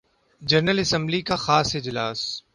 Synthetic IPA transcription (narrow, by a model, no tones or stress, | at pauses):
d͡ʒɐɾnəlɪsə̃mblikaxaːsɪd͡ʒlaːs